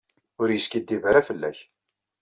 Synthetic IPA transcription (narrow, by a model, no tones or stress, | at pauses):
ʊɾjəskid̪ːivɾæfəlːæ̰ç